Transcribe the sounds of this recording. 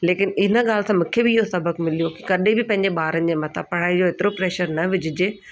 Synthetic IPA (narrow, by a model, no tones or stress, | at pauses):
leːkɪnɪnə̆ɠaːlsãmũːkʰebɪɪɦosɐbəkmɪlijoki̥kɐɗẽbɪpɐ̃ɦɪ̃ɲ̆d͡ʑeɓaːɾənɪ̆d͡ʑeːmɐt̪ʰa̰pɐɽaːid͡ʑoeːt̪ɪɾopɾɛːʃəɾnɐʋɪd͡ʑɪd͡ʑeː